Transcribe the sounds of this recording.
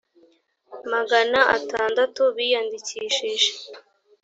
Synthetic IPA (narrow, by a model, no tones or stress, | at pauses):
maɡanaʔa̰taːndatuβijandiciːʃiʒe̥